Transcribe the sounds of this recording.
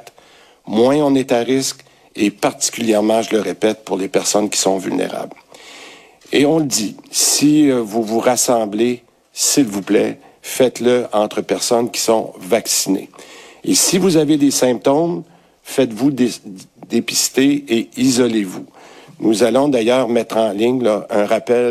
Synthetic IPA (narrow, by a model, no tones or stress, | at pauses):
t̪ | mwɛ̃ɔ̃nɛt̪aʁɪsk | epaʁt̪i̥kʲyljɛʁmɑ̃ʒələʁepɛt̪̚puʁlepɛʁsɔnkʲi̥sɔ̃vy̰lnḛʁa̰bl | eɔ̃ləd̪isivuvuʁasɑ̃ble | silvuplɛ̰ | fɛt̪ləɑ̃t̪χəpɛʁsɔnkʲi̥sɔ̰̃vaksinḛesivuzaved̪esɛ̃p̚t̪ɔm | fɛt̪vud̪d̪epi̥st̪eeizɔlevunuzalɔ̃d̪ajœːʁmɛt̪χɑ̃lɪɲlʌœ̃ʁapɛl